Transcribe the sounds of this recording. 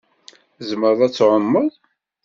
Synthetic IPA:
zəməɾðˤæt͡sːʕəmːəðˤ

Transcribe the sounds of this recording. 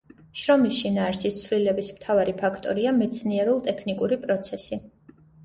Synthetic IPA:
ʃɾɔmisʃinaːɾsist̪sʰvlilɛbismt̪ʰavaɾipʰakʰt̪ʼɔɾiamɛt̪sʰniɛɾulˠt̪ʼɛkʰnikʼuɾipʼɾɔt̪sʰɛsi

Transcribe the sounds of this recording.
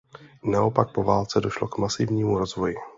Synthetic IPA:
naʔo̞pak̚po̞vaːlt͡sɛdo̞ʃlokmasɪvɲiːmuɾo̞zvo̞jɪ

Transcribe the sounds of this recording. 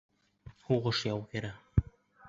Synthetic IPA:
huʁɤʃjɑwkɘ̆ɾæ

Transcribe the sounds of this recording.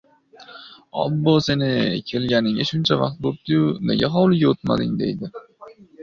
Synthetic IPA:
ɒ̰bːose̞nɪkʲʰe̞lɡʲanɪŋaʃʊnt͡ʃʰavɑ̰q̚t̪̚bop̚t̪ɪjʊne̞̰ɡʲaɦɒwlˠɪɡʲaot̪ma̰d̪ɪ̰ŋd̪e̞̰jd̪ɪ

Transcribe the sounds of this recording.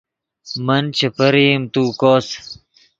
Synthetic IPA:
mɐnt͡ɕʰɐpɐɾiːmt̪uːkoːs

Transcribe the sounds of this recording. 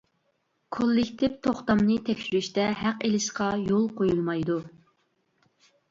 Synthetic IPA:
kʰolˠːɪkʲt̪ʰɪpt̪ʰoχt̪ɑmnɨt̪ʰɛkʲʃyɾyʃt̪ɛɦæqelɪʃqɑjolˠqʰojulˠmɑjd̪u

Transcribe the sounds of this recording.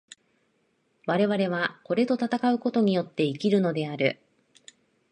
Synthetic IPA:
βaɾe̞βaɾe̞βako̞ɾe̞t̪o̞t̪at̪akaɯ̟ko̞t̪o̞ɲ̟ijo̞t̪ːe̞ikʲiɾɯ̟no̞d̪e̞aɾɯ̟̰

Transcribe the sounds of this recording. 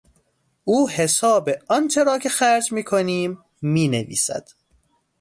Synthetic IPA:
ʔuːhe̞sɒːbeɒnt͡ʃʰe̞ɾɒːcʰe̞xæɾd͡ʒmiːkʰoniːmː | iːnevḭːsæ̰d̪̥

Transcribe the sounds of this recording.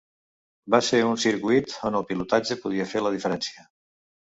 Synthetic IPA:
baseunsiɾkwit̪onəlˠpilut̪ad͡ʒəpuð̞iəfeləð̞ifəɾɛnsiə

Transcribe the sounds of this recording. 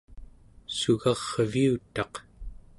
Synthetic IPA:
suɣɑʁviut̪ɑq

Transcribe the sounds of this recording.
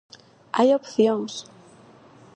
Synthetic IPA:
ajopθjoŋs

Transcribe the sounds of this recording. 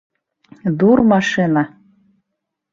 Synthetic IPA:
d̪urmɑʃinɑ

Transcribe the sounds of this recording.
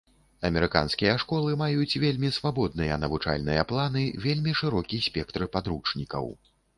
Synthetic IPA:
ɐmʲɛɾɨka̰nskʲijɐʂkɔlˠɨmajut͡sʲvʲelʲmʲisvabɔd̪̚nɨjɐnɐvut͡ʂa̰lʲnɨjɐplˠanɨvʲelʲmʲiʂɨɾɔkʲisʲpʲɛkt̪ɾɨpad̪ɾut͡ʂnʲikɐ̰w

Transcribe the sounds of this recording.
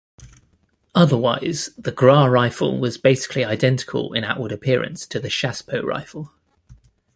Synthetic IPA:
ʌðəwaɪz̥ðəɡɹɑːɹaɪfə̰lˠwɒzbeɪsɪ̥kʰliaɪdɛ̃ntɪ̥kʰə̰lɪ̰̃ña̰ʊʔwəɾəpʰɪəɹə̰̃nstʰəðəʃaspʰəʊɹa̰ɪfəlˠ

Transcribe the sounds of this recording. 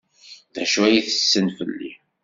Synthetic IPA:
ðæʃwæjiθə̥sːənfəlːḭ

